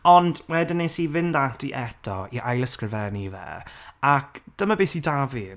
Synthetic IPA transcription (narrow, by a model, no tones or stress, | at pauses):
ɔndwɛdɪnːesivɪndatiʔɛtʰɔ̰iʔajlˠəskəvɛnivɛ̰akd̥əmabeːsidavi